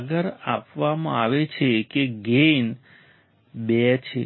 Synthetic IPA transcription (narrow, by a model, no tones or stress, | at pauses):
ɡəɾapʋamã̰aʋet͡ʃʰekeɡen | bɛt͡ʃʰḛ